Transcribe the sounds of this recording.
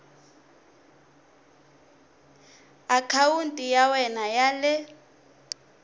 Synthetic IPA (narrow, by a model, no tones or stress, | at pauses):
akʰawuntʼijawɛnajalɛ